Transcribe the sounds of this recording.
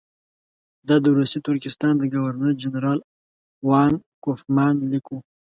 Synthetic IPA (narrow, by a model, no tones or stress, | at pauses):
d̪ɑd̪əwɾust̪it̪ʊɾkɪst̪ɑnd̪əɡawaɾnəɾd͡ʒanɾɑːl | wɑːnkofmɑːnliku